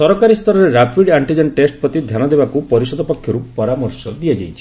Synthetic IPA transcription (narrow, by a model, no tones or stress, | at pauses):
sɔɾɔkaɾist̪ʰɔɾɔɾeɾapʰwiɖaɳʈid͡ʒɔnʈesʈ̚pɔt̪id̪ʱjanɔd̪ebakupɔɾisɔd̪ɔpɔkʰːjɔɾupɔɾamɔɾsɔd̪iad͡ʒajt͡ʃʰi̥